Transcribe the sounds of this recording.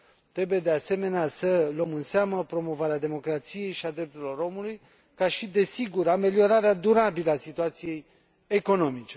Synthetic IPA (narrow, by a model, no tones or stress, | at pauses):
t̪ɾe̞buje̞d̪e̞ase̞me̞neasələmɨnseaməpɾo̞mo̞vaɾead̪e̞mo̞kɾat̪sije̞jʃiad̪ɾe̞p̚t̪uɾilo̞ɾo̞muluj | kaʃid̪e̞siɡuɾame̞lio̞ɾaɾead̪uɾabiləasit̪uat̪sije̞j | e̞ko̞no̞mit͡ʃe̞